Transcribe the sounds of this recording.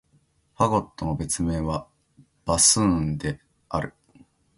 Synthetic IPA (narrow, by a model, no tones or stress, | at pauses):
ɸaɡo̞t̪ːo̞no̞be̞t͡sɨme̞ːβa | b̥asɨ̃nd̪e̞ | aɾɯ̟